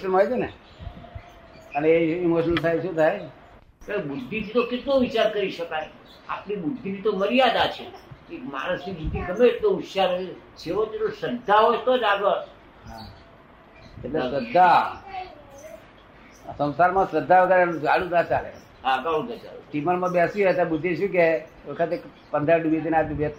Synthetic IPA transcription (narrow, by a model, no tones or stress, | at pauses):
ʃənajd͡ʒene | əneeimoʃənəlt̪ʰajʃũt̪ʰaj | kəbʊd̪ʱːit̪ʰit̪okɪt̪loʋɪt͡ʃaɾkəɾiʃəkaj | a̰pnibʊd̪ʱːit̪ʰit̪oməɾijad̪at͡ʃʰeekma̰ɾasid͡ʒit̪ːit̪əmeːʈloutʃaɾət͡ʃʰeɦot͡ʃeosəd̪ʱːaɦojt̪od͡ʒaɡʋaɾ | ɦa | eʈlesəd̪ʱːa | sə̃w̃saɾmãsəd̪ʱːaʋəɡəɾanũd͡ʒaɽud̪at͡ʃalḛ | ɦakãũd̪ʱad͡ʒa̰uʈimənmãbjasiɛt̪abud̪ʱːiʃũke | ʋəkʰət̪ek | pənd̪əɾɖuit̪inad̪ʋjət̪